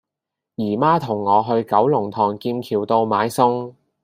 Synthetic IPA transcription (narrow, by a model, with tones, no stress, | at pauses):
jiː˨˩maː˥t̪ʰʊ˨˩ŋːɔː˨˧ɦɵ˧ɥkɐ˨˥wlʊ˨˩ŋt̪ʰɔː˨˩ŋkiː˧nkʰiː˨˩wt̪o˧wmaː˨˥jsʊ˥ŋ